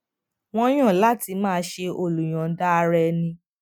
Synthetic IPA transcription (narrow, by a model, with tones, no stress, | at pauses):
w̃ɔ̃˦j̃ã˦˨la˦ti˧˦mãː˦ʃe˧o˧lu˨j̃ã˨˦da˦˧ɾɛ˧nĩ˧